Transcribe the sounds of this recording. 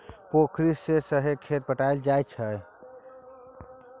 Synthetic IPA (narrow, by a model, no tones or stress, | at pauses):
pokʰɾisesəɦekʰeɾ̚pəʈajld͡ʒajt͡ʃʰəj